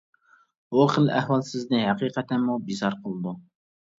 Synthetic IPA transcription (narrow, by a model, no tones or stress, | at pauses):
oχəlæ̰hwɑlˠsɪznɨhæqiːqɛt̪ʰɛnmːubizɑɾqʰəlˠd̪u